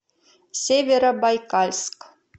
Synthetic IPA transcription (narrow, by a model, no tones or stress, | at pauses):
sʲevʲeɾabajkalʲsk